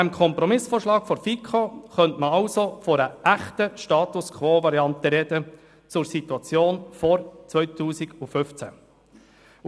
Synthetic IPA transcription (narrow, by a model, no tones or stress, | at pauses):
ɛmkʰɔmpɾɔmɪsfoːɾʃlɑːkfɔɾfikʰoχœntməɑlsofɔɾəʔæχtəʃtɑːt̪ʊskʰʋoːvɑɾjɑnt̪əɾɛd̥ə | t͡sʊɾsit̪uɑt͡sjoːnfɔɾt͡sʋœʏt̪ʰuːsɪɡʊfʏft͡sæ̰